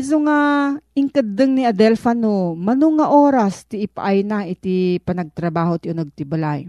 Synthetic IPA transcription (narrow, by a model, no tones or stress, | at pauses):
soŋaʔɪŋkɐd̪ɨŋniɐd̪ɛlfanomɐnuŋɐʔoːɾɐst̪ɪʔɪpa̰ʔajnaʔɪt̪ipɐnɐɡ̚t̪ɾɐbaːhot̪iʔʊnoɡ̚t̪ɪbɐlaj